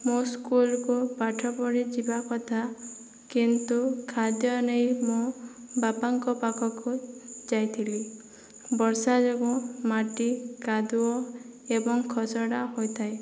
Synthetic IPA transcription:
moskulkupaʈʰɔpɔɽed͡ʒibakɔt̪ʰa | kint̪ukʰad̪jɔnejmobapaŋkɔpakʰɔkud͡ʒajt̪ʰili | bɔɾsad͡ʒɔɡɔmaʈikad̪uɔ | ebɔŋkʰɔsɔɽaɦojt̪ʰae

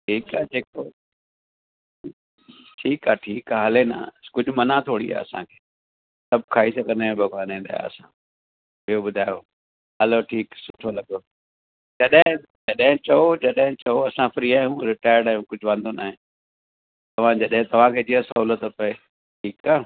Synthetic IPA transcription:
ʈʰiːkaːd͡ʑeːko | ʈʰiːkaːʈʰiːkaːɦɐlena̰kʊd͡ʑʱʊmɐnat̪ʰoːɽḭa̰ːɐ̰sã̰kʰe̥ː | sɐb̚ʱkʰaːisɐɡə̃nd̪ẽbʱɐɡaːnẽːnd̪a̰ːja̰ɐ̰sã | ɓijoɓʊd̪ʱaːjo | ɦɐloʈʰiːksʊʈʰolɐɠoː | d͡ʑɐɗɦɪ̃ | d͡ʑɐɗɦɪ̃t͡ɕɐod͡ʑɐɗɦɪ̃t͡ɕɐoɐsãfɾiːaːijũɾɪʈaːɪɾɽaːjũkʊd͡ʑʱʊʋãːnd̪ʱona̰ːɦẽ | t̪ɐʋ̤ãd͡ʑɐɗɦɪ̃t̪ɐʋ̤ãkʰeːd͡ʑiəsɐɦuːlət̪pɐe | ʈʰiːkaː

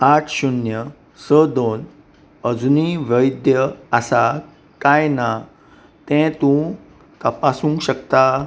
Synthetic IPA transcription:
aʈʰɕunjə | səd̪on | əd͡zuniʋəjd̪jəasa | kajna | t̪ɛ̃t̪ũ | t̪əpasũŋkɕəkt̪a

